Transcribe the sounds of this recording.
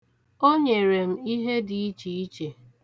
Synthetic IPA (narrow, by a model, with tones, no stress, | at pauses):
o˦ɲe˨ɾe˨m̩˦i˦ɦe˦di˨i˦t͡ʃi˨i˦t͡ʃe˨